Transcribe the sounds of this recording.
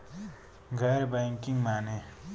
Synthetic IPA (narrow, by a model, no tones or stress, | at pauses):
ŋɡaɾbaŋkiŋmane